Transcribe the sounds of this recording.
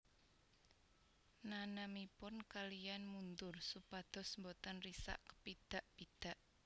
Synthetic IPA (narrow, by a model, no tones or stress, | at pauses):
nanamipʊnkalijanmund̪ʊrsupad̪̥ɔ̤smbot̪anrisa̰ʔkə̥pid̪̥a̤ʔpid̪̥a̤ʔ